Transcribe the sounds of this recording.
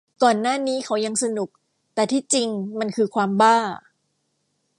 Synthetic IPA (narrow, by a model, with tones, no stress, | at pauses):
kɔː˨˩nːaː˥˩niː˦˥kʰa˦˥wja˧ŋsa˧nu˨˩k̚ | t̪ɛː˨˩t̪ʰiː˥˩t͡ɕi˧ŋma˧nkʰɯː˧kʰwaː˧mbaː˥˩